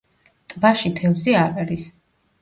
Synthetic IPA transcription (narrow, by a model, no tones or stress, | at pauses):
t̪ʼbaʃit̪ʰɛvziaɾaɾis